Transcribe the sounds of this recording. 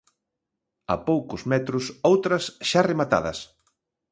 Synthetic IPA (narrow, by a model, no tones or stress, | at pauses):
ɐ̰powkʊzmɛt̪ɾʊsowt̪ɾɐsʃaremat̪a̰ðɐ̰s